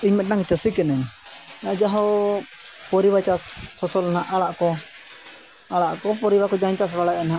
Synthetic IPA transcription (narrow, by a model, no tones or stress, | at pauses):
iɲmɛnaŋt͡ʃəsikɛnɛɲad͡ʒaɦɔ | pɔɾibat͡ʃashɔsɔlanaʔaɭaʔkɔ | aɽaʔkɔpɔɾibakɔd͡ʒaɲt͡ʃas̬baɽaʔnɦa